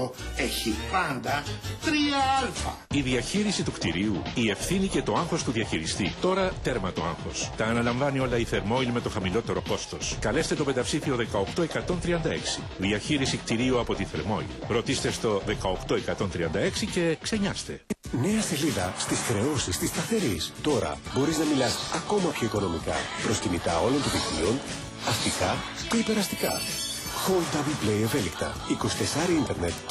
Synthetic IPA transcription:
oeçipɐnd̪ɐt̪ɾiɐɐlfɐ̰ | iðiɐçiɾisit̪ukt̪iɾiuie̞fθinice̞t̪o̞ɐŋxo̞st̪uðiɐçiɾist̪it̪o̞ɾɐt̪e̞ɾmɐt̪o̞̰ɐ̰ŋxo̞st̪ɐːnɐlɐɱvɐnio̞lɐiθe̞ɾmo̞ilme̞t̪o̞xɐmilo̞t̪e̞ɾo̞ko̞st̪o̞skɐle̞st̪et̪o̞pe̞td̪ɐpsifio̞ðe̞kɐo̞kt̪o̞e̞kɐt̪o̞nt̪ɾiɐnd̪ɐe̞ksi | ðiɐçiɾisikt̪iɾiuɐpo̞t̪iθe̞̰ɾmo̞̰ḭlɾo̞t̪ist̪e̞st̪o̞ðe̞kɐo̞kt̪o̞e̞kɐt̪o̞nt̪ɾiɐnd̪ɐe̞ksice̞kse̞ɲɐst̪e̞ne̞ɐse̞liðɐst̪isxɾe̞o̞sist̪ist̪ɐθe̞ɾist̪o̞ɾɐ̰bo̞ɾiznɐmilɐsɐko̞mɐpço̞iko̞no̞mikɐ̰pɾo̞scinit̪ɐo̞lont̪onðiflḭon | ɐft̪ikɐt̪eipe̞ɾɐst̪ikɐ̰ | xold̪ɐbliplejeve̞likt̪ɐ̰ | iko̞si̥t̪e̞sɐɾiint̪eɾnet̪

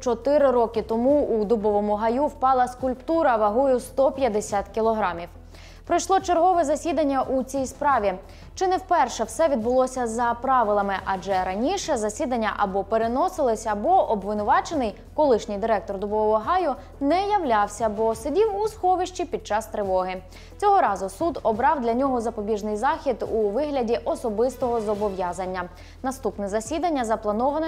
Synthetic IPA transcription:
t͡ʃɔt̪ɪɾɪɾɔkɪt̪ɔmuud̪ʊbɔʋɔmʊɦɐjuwpɑlˠɐskʊlʲpt̪uɾɐʋɐɦujʊst̪ɔpʲjɐd̪esʲat̪kʲilˠɔɦɾɑmʲiw | pɾɔjʃlˠɔt͡ʃerɦɔʋɛzɐsʲid̪ɐnʲːɐʔut͡sʲijspɾɑʋʲi | t͡ʃɪnɛwpɛrʃɛwsɛʋʲid̪bʊlˠɔsʲɐzɐpɾɑʋɪlˠɐmɪʔɐʒɛɾɐnʲiʃɛzɐsʲid̪ɐnʲːɐ̰ʔɐbɔpeɾenɔsɪlˠɪsʲɐbɔʔɔbʋɪnʊʋɑt͡ʃenɪj | kɔlˠɪʃnʲɪjd̪ɪɾɛk̚t̪ɔrd̪ɔbɔɔʋɔɦɑjʊ | nɛjɐwlʲɑwsʲɐbɔsedʲiwusxɔʋɪʃt͡ʃipʲid̪̚t͡ʃɑst̪ɾɪʋɔɦɪ | t͡sʲɔɦɔɾɑzʊsud̪ɔbɾɑwd̪lʲɐnʲɔɦɔzɐpɔbʲiʒnɪjzɑxʲid̪uʋɪɦlʲɐdʲiʔɔsɔbɪst̪ɔɦɔzɔbɔʋjɑzɐnʲːɐ | nɐst̪upnɛzɐsʲid̪ɐnʲːɐzɐplˠɐnɔʋɐnɛ

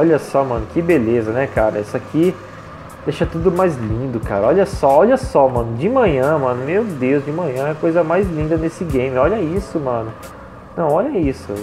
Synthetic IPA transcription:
ɔʎɐsɔmɐ̃nʊkɪbelezɐnɛkaɾɐɛsaki | d̪eʃɐt̪ud̪ʊmajzlĩd̪ʊkaɾɐɔʎɐsɔɔʎɐsɔmɐ̃nʊd͡ʒɪmɐ̃ɲɐ̃mɐ̃nʊmewd̪ewzd͡ʒɪmɐ̃ɲɐ̃ɛkojzɐmajzlĩnd̪ɐnesɪɡẽj̃mɪɔʎɐisʊmɐ̃nʊ | nɐ̃w̃ɔʎɐisʊ̰

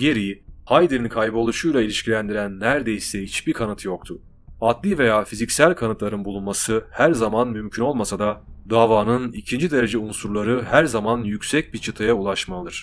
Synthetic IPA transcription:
ɟe̞ɾijihajd̪iɾinkʰajbolˠuʃujlˠailʲiʃcʰilʲænd̪iɾænːæɾd̪e̞jisɛhit͡ʃb̥ikʰanɯt̪ʰjo̞k̚t̪ʰʊ | at̪lʲiːve̞jaːfizicsælʲkʰanɯt̪lˠaɾɯnbulˠunmasɯhæɾzamanmymcʰyno̞lˠmasad̪ad̪aːvaːnɯnicʰind͡ʒid̪eɾe̞d͡ʒɛunsuɾlˠaɾɯhæɾzamanjycʲsɛc̚bit͡ʃʰɯt̪ʰajaulˠaʃmaɯɾ̥

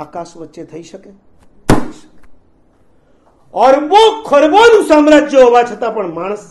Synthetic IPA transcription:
akasʋətːʃet̪ʰəiʃəke | əʃə̥ke | ɔɾbokʰəɾbonũsamɾad͡ʒjəɦoʋat͡ʃʰət̪apəɳmaɳ̃əs

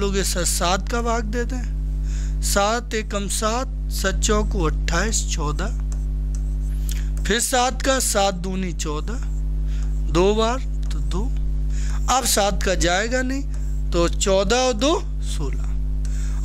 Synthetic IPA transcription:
loːɡesɐsaːt̪kabʱaːk̚d̪eːt̪eɛ̃ | saːt̪eːkəmsaːt̪̚ | sɐtːt͡ʃɔ̃koɐʈʰːaːist͡ʃɔːd̪a | pʰɪɾsaːt̪kasaːt̪̚d̪uːnit͡ʃɔːd̪a | d̪oːbaːɾ | t̪od̪oː | ɐbsaːt̪kad͡ʒaːeːɡanɐĩ | t̪ot͡ʃɔːd̪ad̪oː | soːla

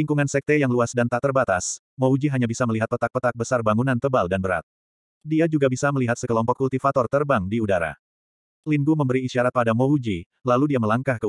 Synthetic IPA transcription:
liŋkuŋansɛk̚t̪ɛjaŋluasdant̪at̪ərbat̪as | moɦud͡ʒiɦaɲabisaməliɦat̪pət̪ak̚pət̪ak̚bəsarbaŋunant̪əbaldanbəɾa̰t̪̚ | diad͡ʒuɡabisaməliɦat̪səkəlɔmpɔkːult̪ifat̪ɔrt̪ərbaŋdiudaɾa̰ | linɡuməmbəɾiːʃiaɾat̪̚padamoɦud͡ʒi | laludiaməlaŋkahkə

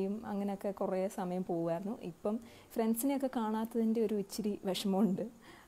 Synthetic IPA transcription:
jumɐ̰ŋːɐne̞o̞kːe̞kuresɐmɐjɐmpo̞ːɣuɣaːjiɾunːuʔipːɐm | frɐnsinejo̞kːe̞kaːɳaːt̪ːɐðinde̞o̞ɾuit͡ɕːiɾiʋɐʂɐmɐuɳɖɨ

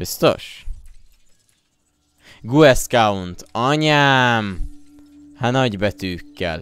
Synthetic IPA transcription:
b̥ist̪o̞̰ʃ | ɡuɛskaunt̪ɒɲaːm | hanɒɟbɛt̪yːkːɛ̰l

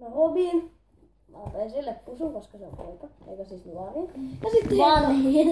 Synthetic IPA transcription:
noʋobin | mɑ̰peisilːeppusuŋkoskɑseo̰mpo̰ikɑḛikæsiːsnuɑˑʋiːnjɑsit̪ːiɑnohi

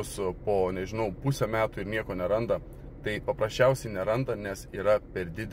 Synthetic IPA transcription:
ʊspoːnʲɛʒʲɪnɐʊpusʲɛmʲæːt̪uːɪɾnʲiɛkoːnʲɛɾɐnd̪ɐ | t̪ɐɪpɐpɾɐsʲt͡ʃʲɛʊsʲɛɪnʲɛɾɐnd̪ɐnʲɛsiːɾɐpʲɛɾd̪ʲɪd̪ʲ

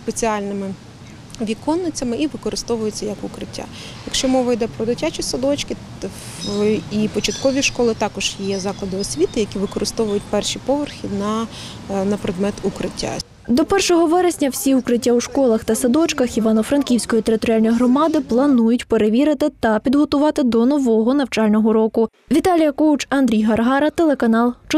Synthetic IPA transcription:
spet͡sʲiɑlʲnɪmɪ | ʋʲikɔnːɪt͡sʲɐmɪʔiʋɪkɔɾɪst̪ɔʋʊjʊt͡sʲːɐjɐkʊkɾɪtʲːa̰ | jɐkʃt͡ʃɔmɔʋɐjd̪ɛpɾɔd̪ɪtʲat͡ʃisɐd̪ɔt͡ʃkɪ | ipɔt͡ʃɐt̪kɔʋʲiʃkɔlˠɪt̪ɑkɔʒ̥jjjɛzɑklˠɐd̪ɪɔsʲʋʲit̪ɪjɐkʲiʋɪkɔɾɪst̪ɔʋʊjʊt̚ʲpɛrʃipɔʋerxʲinɐ | nɐpɾed̪mɛt̪ukɾɪtʲːa̰ | d̪ɔpɛrʃɔɦɔʋɛɾesʲnʲɐwsʲiukɾɪtʲːawʃkɔlˠɐxt̪ɐsɐd̪ɔt͡ʃkɐxiʋɑnɔfɾɐnkʲiwsʲkɔjit̪eɾɪt̪ɔɾʲɪɑlʲnɔjiɦɾɔmɑd̪ɪplˠɐnujʊtʲpeɾeʋʲiɾɪt̪ɪt̪ɐpʲid̪ɦɔt̪ʊʋɑt̪ɪd̪ɔnɔʋɔɦɔnɐwt͡ʃɑlʲnɔɦɔɾɔkʊ | ʋʲit̪ɑlʲijɐkɔwt͡ʃɐnd̪ʲɾʲijɦɐrɦɑɾɐt̪elˠekɐnɑlˠt͡ʃ

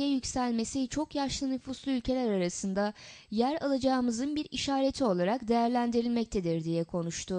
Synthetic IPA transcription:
jɛjycsælʲme̞sit͡ʃʰo̞kjaʃlˠɯnyfuslˠuylʲcʰe̞lʲæɾaɾasɯnd̪ajæɾalˠad͡ʒaːɯmɯzɯnbiɾiʃaːɾe̞t̪ʰio̞lˠaɾakd̪e̞jæɾlʲænd̪iɾilʲmɛc̚t̪ʰed̪iɾd̪ijɛkʰo̞nuʃt̪ʰʊ

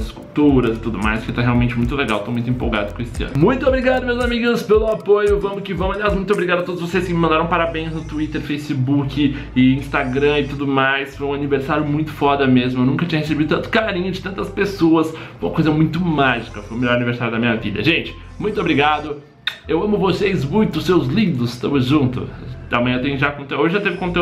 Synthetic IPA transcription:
ɐzɪskuwt̪uɾɐzɪt̪ud̪ʊma̰jskɪt̪aɦeawmẽnt͡ʃɪmũj̃t̪ʊleɡawewt̪omũj̃t̪ẽpowɡa̰d̪ʊkõesɪɐ̰̃nʊmũj̃t̪ʊobɾiɡad̪ʊmewzamiɡʊspelʊapojʊvɐ̃mʊkɪvɐ̃mʊaliasmũj̃t̪obɾiɡad̪ʊɐt̪od̪ʊzvosejskɪmɪmɐ̃nd̪aɾɐ̃paɾabẽj̃znʊt̪uit̪eɾfejsɪbukɪ | ɪĩst̪aɡɾɐ̃ɪt̪ud̪ʊmajsfojũaniveɾsaɾjʊmũj̃t̪ʊ̥fɔd̪ɐmezmʊewnũkɐt͡ʃĩɲɐhes̬ebid̪ʊt̪ɐ̃nt̪ʊ̥kaɾĩɲʊd͡ʒɪt̪ɐ̃nt̪ɐspesoɐs | umɐkojzɐmũj̃t̪ʊmaʒikɐfojʊmeʎjɔɾɐniveɾsaɾjʊd̪ɐmĩɲɐvḭd̪ɐ̰ʒẽnt͡ʃɪ̥ | mũj̃t̪ʊobɾiɡad̪ʊ | ewɐ̃mʊvosejzmũj̃t̪ʊsewzlid̪ɾʊst̪ɐ̃mʊzʒũnt̪ʊ̰ɐ̰mɐ̃jɐ̃t̪ẽj̃ɲʊʒakõt̪eoʒɪʒat̪evɪkõt̪e

